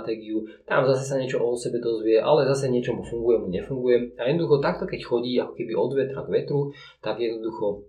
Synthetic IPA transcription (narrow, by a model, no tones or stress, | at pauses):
t̪ɛːɡiut̪a̰mzasɛsaɲɛt͡ʃɔʔɔt̪sɛbɛd̪ɔzʋɪɛʔa̰lɛzasɛɲɪɛt͡ʃɔmufuŋɡujɛmuɲɛfuŋɡujɛajɛd̪nɔd̪uxɔt̪ak̚t̪ɔkɛcxɔɟiːakɔ̥kɛbiɔd̪ʋɛt̪ɾaɡʋɛt̪ɾu | t̪aɡjɛd̪nɔd̪uxɔ